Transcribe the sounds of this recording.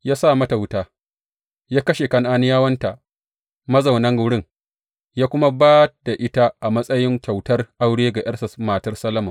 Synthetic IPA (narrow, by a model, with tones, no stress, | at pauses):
jaː˦sa˦˨mɐ˦ta˨wʊ˦taː˦ | jaː˦kɐ˦ʃe˨kɐ˦nʔaː˦nɪ˦jaː˦wɐ˦nta˨ʔ | mɐ˦za˨wnɐ˦ŋɡʊ˨˦ɽɪ˦ŋ | jaː˦kʷʊ˦ma˦baː˦d̥a˨ʔɪ˦ta˦ʔa˨mɐ˦sʼɐ˦jɪ˦ŋkʲa˨wtɐ˦rʔa˦wɽeː˦ɡa˨ʔɐ˦sɐ˨smaː˨tɐ˦rsɐ˦lɐ˦mɐ˨m